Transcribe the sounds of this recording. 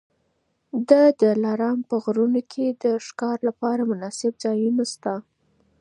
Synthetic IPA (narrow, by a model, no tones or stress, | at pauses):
d̪əd̪əlɑɾɑmpəɣɾunokʰed̪əʃkɑɾlapɑɾamʊnɑsɪbzɑjunəst̪a